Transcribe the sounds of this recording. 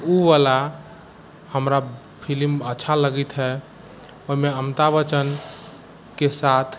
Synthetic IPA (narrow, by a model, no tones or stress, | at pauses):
uʋala | həmɾa | pʰilimətːʃʰaləɡit̪ɦɛ | oɦimeəmt̪aʋət͡ʃən | kesat̪ʰ